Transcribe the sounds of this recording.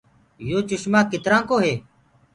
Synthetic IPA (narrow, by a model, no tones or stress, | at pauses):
joːt͡ʃʊʃmãːkɪt̪ɾãːkoːɦeː